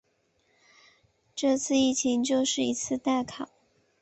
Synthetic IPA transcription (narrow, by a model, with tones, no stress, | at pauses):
ʈ͡ʂɤ˥˧t͡sʰɹ̩˥˧i˥˩t͡ɕʰi˧˥ŋt͡ɕjo˥˧ʊʂɻ̩˥˩i˧˥t͡sʰɹ̩˥˧t̪a˥˩ɪkʰɑ˨˩˦ʊ